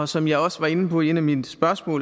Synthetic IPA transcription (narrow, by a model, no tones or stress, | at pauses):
ɒ̽sɒ̽mjɑ̈ɪɒ̽sʋɑ̈e̝nəpʰɒ̽e̝næmid̥sb̥ɶɐsmɔ̰̽ːl